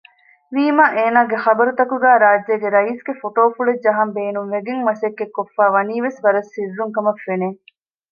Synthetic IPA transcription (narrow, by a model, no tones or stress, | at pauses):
ʋiːmaːʔeːnaːɡexɐbɐɾut̪ɐkuɡæːɾaːd͡ʒeːɡeɾɐiːsɡefoʈoːfuɭed͡ʒɐɦɐmbeːnuŋʋeɡeŋmɐsekːekːofːaːʋɐniːʋesʋɐɾɐsːirːuŋkɐmɐfːeneː